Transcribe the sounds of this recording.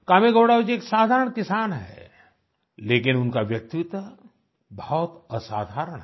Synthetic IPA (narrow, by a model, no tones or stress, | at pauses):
kaːmeɡoːɽaːd͡ʒieːksaːd̪ʱaːɾəɳkɪsaːnɦɛ̰ | leːkɪnʊnkaʋjɐk̚t̪it̪ə | bɐɦɔt̪əsa̰ːd̪ʱaːɾəɽ̃ɦ